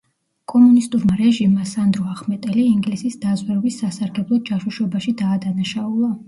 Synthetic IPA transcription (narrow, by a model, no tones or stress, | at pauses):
kʼɔmunist̪ʼuɾmaɾɛʒimːasand̪ɾɔaχmɛt̪ʼɛliiŋɡlisisd̪azwɛɾɔbisːasaɾɡɛblˠɔd̪̚d͡ʒaʃuʃɔbaʃid̪aːd̪anaʃaulˠa